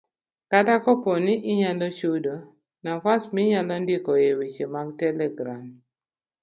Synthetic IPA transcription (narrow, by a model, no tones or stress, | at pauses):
kadakɔponɪʔɪɲalɔt͡ʃudo | nakasmɪɲalɔndɪkɔewet͡ʃemaɡtɛlɛɡɾam